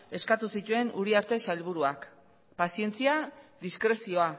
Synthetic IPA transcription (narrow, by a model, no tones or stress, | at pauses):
e̞skat̪usit̪ue̞nuɾiaɾt̪e̞salβ̞uɾuak | pasie̞nt͡siaðiskɾe̞sio̞a